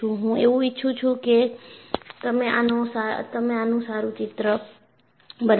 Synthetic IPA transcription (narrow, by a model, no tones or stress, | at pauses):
uɦũeuitːt͡ʃʰut͡ʃʰuke | t̪əmẽʔa̰nosat̪əmẽanũsaɾut͡ʃit̪ɾə | bən